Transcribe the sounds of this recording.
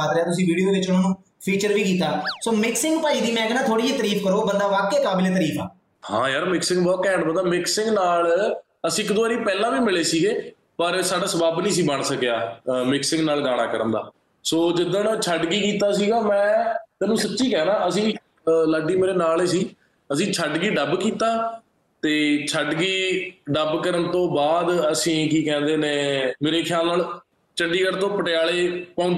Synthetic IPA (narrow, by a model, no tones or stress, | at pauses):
aːt̪ɾɛaːt̪ʊs̬ĩːʋiːɖijoːd̪eːʋɪt͡ʃʊnːnũː | pʰiːt͡ʃəɾʋiːkiːt̪aːsoːmɪksɪ̃ŋɡpaːiːd̪iːmɛ̃ːknaːt̪ʰoːɽiːiːt̪əɾiːfkəɾoːbənd̪aːʋaːkeːkaːbɪleːt̪əɾiːfa̰ː | hã̰ːjaːɾmɪksɪ̃ŋɡbɔːt̪kɛ̃ːɳɖbənd̪aːmɪksɪ̃ŋɡnaːl | əsĩːɪkd̪oʊaːɾiːpɛːlãːʋiːmɪleːsiːɡeː | pəɾsaːɖaːsəbaːbnĩːs̬iːbəɳsəkejaːmɪksɪ̃ŋɡnaːlɡaːɽ̃aːkəɾə̃nd̪a̰ː | soːd͡ʒɪd̪ə̃nt͡ʃʰəɖɡiːkiːt̪aːsiːɡaːmɛ̃ːt̪ɛːnũːsətːʃiːkɛːnãːəsĩː | ləːɖiːmeːɾeːnaːleːsiː | əsĩːt͡ʃʰəɖɡiːɖəbkiːt̪aː | t̪eːt͡ʃʰəɖɡiːɖəbkəɾənt̪õːbaːd̪əsĩːkiːkɛ̃ːnd̪eːnẽːmeːɾeːkʰjaːlnaːl | t͡ʃəɳɖiːkəɾt̪õːpəʈɪjaːleːpãːʊ̃nd̪